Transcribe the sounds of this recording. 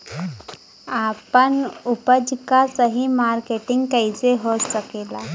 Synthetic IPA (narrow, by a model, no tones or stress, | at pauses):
apənupəd͡ʒkasəɦimaɾkeʈiŋɡkəjd͡zeɦosəkela